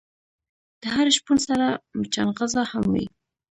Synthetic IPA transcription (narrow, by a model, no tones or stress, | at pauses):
d̪̥əɦaɾʃpunsaɾamət͡ʃanɣazahamwa̰i